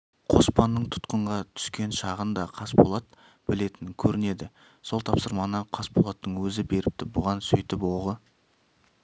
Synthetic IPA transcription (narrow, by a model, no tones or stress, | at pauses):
qʰo̞spɑnːəɴt̪ʰʊ̥t̪qəɴʁɑt̪ʰʏ̥skʲe̞nʃɑʁənd̪ɑqʰɑspolˠɑt̪ | b̥ɪle̞t̪ɪŋkʲʰɵɾɪne̞d̪ɪ | so̞lˠt̪ʰɑpsəɾmɑnəqʰɑspolˠɑt̪ːəɴwɵzɪbe̞ɾɪp̚t̪ɪbʊʁɑnsʏ̰jt̪ɪpwo̞ʁə